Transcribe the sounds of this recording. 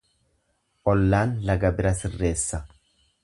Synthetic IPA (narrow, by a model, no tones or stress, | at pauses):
ʔɔlːaːnlɐɡɐbɪɾɐsɪrːe̞ːsːɐ